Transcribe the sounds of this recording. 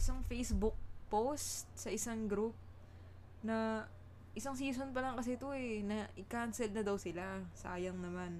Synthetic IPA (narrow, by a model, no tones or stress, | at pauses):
ʔɪsaŋfɛjsbʊk̚post̪̚sɐʔɪsaŋɡɾup̚ | nɐ | ʔɪsaŋs̬iːs̬o̞npɐlɐŋkɐs̬ɛt̪oɛnɐʔɪkansɛlnɐd̪ɐwsɪlasɐaːjɐŋnɐman